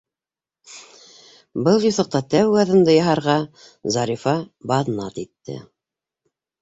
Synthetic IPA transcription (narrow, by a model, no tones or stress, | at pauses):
bɤlˠjuθŏq̚t̪ɑt̪æwɡɑðɤ̆nd̪ɤjɑɦɑɾʁɑ | zɑɾifɑbɑðnɑt̪it̪ːɘ̰